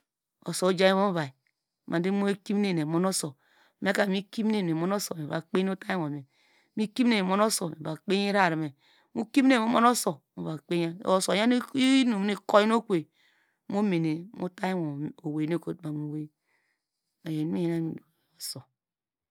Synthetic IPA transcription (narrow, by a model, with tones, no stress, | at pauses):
o̰˨so˨o˦d͡ʒa˦i˦βo˦m˦va˨i˨ | mʔa˨di˦mo˦e˦ki˦m˦e˦˨e˨mo˦no˦so˨ | me˦ka˨mi˦ki˦mne˦˨ne˨mo˦no˦so˨me˨βa̰˨k͡pe˦o˦ta˦i˦ŋo˨me˨ | mi˦ki˦m˦e˦˨ne˨mo˦no˦so˨me˨ba˨k͡pe˦ɲ˦e˦ɾa˦˨ɾi˨me˨ | mu˦ki˦m˦e˦˨o˦mo˦no˦so˨mo˨βa˨k͡pe˦ɲa˦˨o˦˨so˨ja˦n˦i˦no˨m˦e˦ko˦ji˦no˦kʷe˨ | mo˦me˨ne˨mʔo̰˦ta˦ji˦ŋo˨o˨we˨ne˦ko˦tma˨mo˨we˦ | a˨je˨ni˦i˦je˦na˦˨do˨so˨